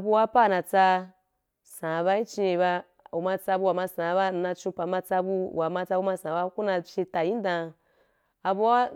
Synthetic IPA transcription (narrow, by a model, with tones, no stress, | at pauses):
a˧bu˧wa˧˦pa˦˨na˧t͡sa˧ | sã˨˧βa˧i˦t͡ʃĩ˧e˧ba˧ | u˨ma˧t͡sa˧bu˧wa˨ma˧sã˨˦ba˧n̩˧na˧t͡ʃũ˧pa˨ma˧t͡sa˧bu˧˨wa˨ma˧t͡sa˧bu˧ma˧sã˨˦ba˧˦ku˦na˧t͡ʃe˧ta˨jĩ˦n˦dã˧ | a˧bu˧˦wa˦